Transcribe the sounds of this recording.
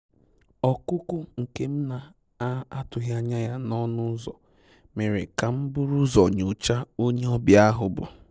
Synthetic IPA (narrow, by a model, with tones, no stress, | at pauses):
ɔ˨kʊ˦kʷʊ˦ŋ̩˨ke˦m̩˦na˨ | a˦a˦tʊ˨ɦja˦ɲa˦ja˦nɔ˦nʊ˦zɔ˨ | me˨ɾḛ˨ka˨m̩˦bʊ˦ɾʊ˦zɔ˨ɲʊ˨t͡ʃa˦o˦ɲe˦ɔ˦bja˦ɦʊ˨bʊ̰˨